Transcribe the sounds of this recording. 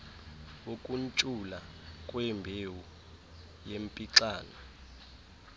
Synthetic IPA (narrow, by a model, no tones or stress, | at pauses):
okʼunt͡ʃʼulakʼwɛmbʱewu | jempʼiǁaːnɔ